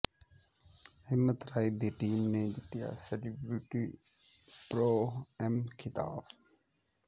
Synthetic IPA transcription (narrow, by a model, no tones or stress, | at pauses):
ɪmət̪ɾaːiːd̪iːʈiːmneːd͡ʒɪt̪ːɪja̰ːsɛlibɾɪʈiː | pɾoːɛmkʰɪt̪a̰ːb